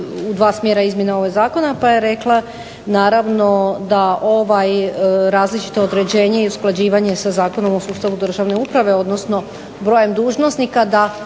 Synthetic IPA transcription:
ud̪ʋaːsmʲjeɾaizmje̞nao̞ʋeɡzaːko̞napajeɾe̞klˠa | naːɾaʋno̞d̪aʔo̞ʋajɾaːzlit͡ʃi̥t̪o̞od̪ɾe̞d͡ʑe̞ːɲe̞iusklˠad͡ʑiːʋaɲe̞sazaːko̞no̞mo̞suːst̪aʋud̪r̩ʒaʋne̞upɾaʋe̞o̞d̪no̞sno̞ | bɾo̞je̞md̪uːʒno̞snikad̪a

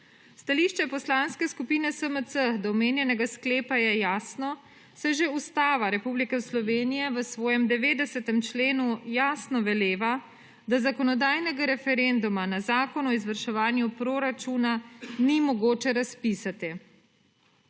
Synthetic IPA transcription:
st̪aliʃt͡ʃɛpɔslaːnskɛskupiːnɛsəmət̪səd̪ɔɔmeːnjɛnɛɡaskleːpajɛjaːsnɔ | sɛʒeust̪aːʋaɾɛpublikɛslɔʋeːnijɛʋəsʋɔːjɛmd̪ɛʋeːd̪ɛsɛt̪ɛmt͡ʃleːnujaːsnɔʋɛleːʋa | d̪azakɔnɔd̪aːjnɛɡaɾɛfɛɾend̪umanazaːkɔnɔizʋəɾʃɛʋaːnjupɾoːɾat͡ʃunanimɔɡoːt͡ʃɛɾaspisat̪i

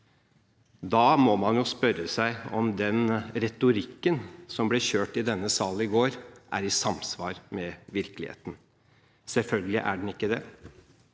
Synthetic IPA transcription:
d̪ɑːmɔmɑnjʊspœɾəsæɪɔmd̪ɛnɾɛt̪ʊɾɪkːənsɔmblɪɕøːʈɪd̪ɛnːəsɑːlnɪɡoːɾʔæ̰ɾɪsɑmsʋɑːɾmɛʋɪɾklɪ̰hḛːt̪n̩ | sɛlfœlɡəlɪ̰ʔæ̰ɖn̩ɪkːəd̪ɛ̰

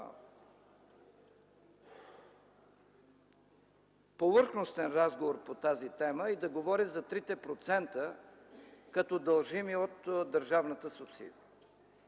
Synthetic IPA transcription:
povɤɾxnost̪ɛnɾazɡovoɾpot̪azit̪ɛməɛd̪ɐɡovɔɾizɐt̪ɾit̪ɛpɾot̪sɛnt̪ə | kɐt̪ɔd̪ɐlˠʒimiot̪d̪əɾʒavnət̪əsʊpsḭd̪iə

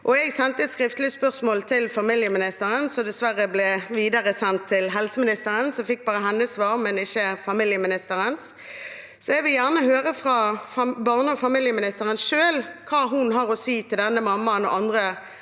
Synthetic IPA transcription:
ʔɔɛɡsɛnt̪əɛt̪skʁɪft̪lɪəspœʁsmoːlt̪ʰɪlfɑmɪljəmɪnɪst̪əʁənsɔd̪ɛsʋæʁːəblɛʋiːd̪ɑʁəsɛnt̪ʰːɪlɦɛlsəmɪnɪst̪əʁənsɔfɪk̚bɑːʁəɦɛnːəsːʋɑːʁmɛnɪçːəfɑmɪljəmɪnɪst̪əʁəns | sɔɛɡʋɪljæʁnəɦøːʁəfʁɑfɑbɑʁnəɔfɑmiljəmɪnɪst̪əʁənʃøːlkʰɑːɦʊnɦɑʁɔsiːt̪ʰɪld̪ɛnːəmɑmːɑənɔ̰ʔɑnd̪ʁə

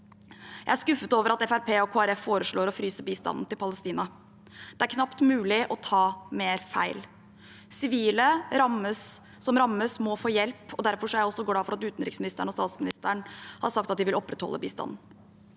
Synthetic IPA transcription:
jæɪæʂkʉfːət̪oːʋəɾɑt̪ɛfæɾpʰeːɔkʰoːæɾɛfːoːɾəʂɭoːɾɔfɾyːsəbiːst̪ɑ̰nn̩t̪ɪlpɑləst̪iːnɑ | d̪̥ɛæɾkʰnɑpt̪mʉːlɪʔɔt̪ʰɑːmeːɾfæ̰ɪl | sɪʋiːləɾɑmːəs | sɔmɾɑmːəsmɔfoːjɛlpɔd̪æɾfɔʂɔæɾjæɔsːɔɡlɑːfɔɾɑt̪ʉːt̪n̩ɾɪksmɪnɪst̪əɳ̩ɔst̪ɑːt̪smɪnɪst̪əɳhɑ̰ɾʂɑkt̪ɑt̪̚d̪ɪʋɪlʔɔpːɾɛt̪hɔ̰lʔəbḭːst̪ɑ̰nn̩

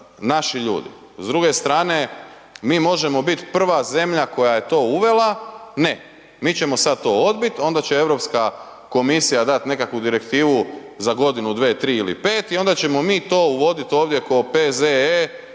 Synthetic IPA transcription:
naʃiʎṵːd̪ḭ | zd̪ɾuɡe̞st̪ɾaːne̞ | miːmo̞ʒe̞mo̞bit̪pr̩ʋaze̞mʎako̞jaje̞t̪o̞ːuʋe̞lˠane̞ | miːt͡ɕe̞mo̞sad̪̚t̪o̞ːo̞d̪bit̪o̞nd̪at͡ɕe̞e̞ʋɾo̞pska | ko̞misijad̪at̪ne̞kakʋud̪iɾe̞kt̪iːʋu | zaɡo̞d̪inud̪ʋe̞ːt̪ɾiːilḭpe̞ːt̪io̞nd̪at͡ɕe̞mo̞miːt̪o̞ːuʋo̞d̪it̪oːʋd̪je̞kopeze

